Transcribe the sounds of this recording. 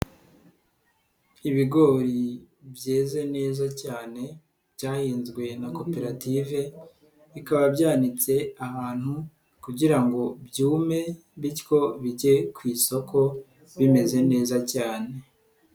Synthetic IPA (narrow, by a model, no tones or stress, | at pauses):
iβiɡo̞ɾi | bjeːze̞ne̞ːzacaːne̞ | bɟaːhiːnzɡwe̞nako̞pe̞ɾative̞ | βikaβabɟaːnit͡se̞ahaːn̥hu | kuɟiɾaŋɡo̞bjuːme̞ | βitko̞βiɟe̞kwiːso̞kʰo̞ | βime̞ze̞ne̞ːzacaːne̞